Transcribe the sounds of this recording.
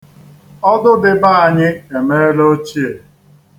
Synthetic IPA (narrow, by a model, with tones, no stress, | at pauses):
ɔ˦dʊ˦dɪ˦ba˦a˨ɲɪ˦e˨me˦lo˦t͡ʃi˦e˨